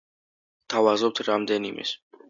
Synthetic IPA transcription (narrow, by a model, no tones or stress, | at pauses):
t̪ʰavazɔp̚t̪ʰɾamd̪ɛnimɛ̰s